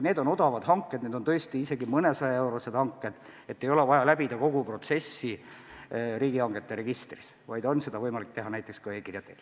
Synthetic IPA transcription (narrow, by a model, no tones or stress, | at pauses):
neːd̪o̞no̞d̪ɑvɑd̪̥ɦɑŋkˑːe̞d̪̥̚neːd̪o̞nt̪ɤ̞est̪iise̞ɡimɤnesɑjɑe̞wɾosed̪̥hɑŋkːˑe̞d̪̥ | et̪ːe̞jo̞levɑjɑlæbid̪ɑko̞ɡ̥upro̞t̪se̞sːi | ɾiːɡ̥iɑŋɡ̥e̞t̪ːe̞ɾe̞ɡ̥ist̪ris | vɑjd̪̥o̞nse̞d̪ɑvɤjmɑlik̚t̪e̞ɦɑnæjt̪ːˑe̞kskɑe̞ːkirjɑt̪ːˑel